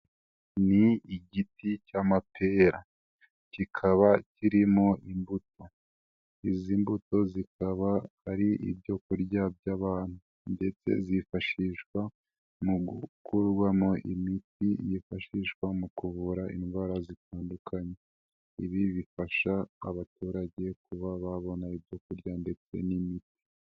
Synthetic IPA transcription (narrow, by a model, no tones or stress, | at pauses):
niiɟitʰicamapʰe̞ːɾa | cikʰaβaciɾimo̞imbutʰo̞ | iziːmbuto̞zikaβahaɾiʔḭbjo̞kuɾɟab̚jaːβaːn̥hu | nde̞t͡se̞̰zifaʃiːʃkwa | muukuɾɡwamo̞ʔimitijifaʃiːʃkwamukuβuɾaʔḭnɡwaːɾazitaːndukʰaɲe̞ | iβiβifaʃa̰ːβatuːɾaɟe̞kuβaβaβo̞naibɟo̞kuɾɟande̞t͡se̞̰nimiti̥